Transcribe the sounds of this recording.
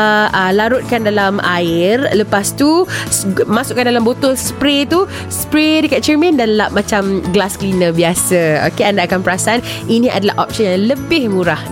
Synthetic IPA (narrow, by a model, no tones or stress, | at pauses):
əlaɾʊt̪̚kandalama̰ɪrləpast̪usmasʊʔkːandalambot̪ɔlsəpɾet̪u | spɾedəkat̪̚t͡ʃɛrmə̃ndanlaʔ̚mãt͡ʃamɡlasklinəbiasao̰keandaʔakanpəɾasan | inĩʔa̰dalaɦʔɔp̚sənjaŋləbɪhmũɾah